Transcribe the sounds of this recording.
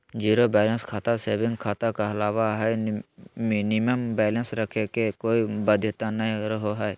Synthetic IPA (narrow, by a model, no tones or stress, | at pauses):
d͡ʒiːɾobɛːlənskʰaːt̪aseːbɪ̃ŋɡkʰaːt̪akaɐlaːʋaɦɛ | mɪnɪməmbɛːlənsɾəkʰekekoːibəd̪ʱːjət̪anɐɦĩɾəɦoɦɛe